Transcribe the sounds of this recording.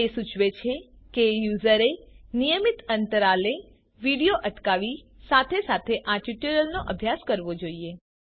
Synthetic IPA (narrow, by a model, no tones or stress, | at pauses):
esut͡ʃʰʋet͡ʃʰe | kejuzəɾenijəmit̪ənt̪əɾale | ʋiɽijoʔəʈkaʋi | sat̪ʰesat̪ʰeʔaʈiʈəɾəlnoʔəbʱjaskəɾʋod͡ʒoie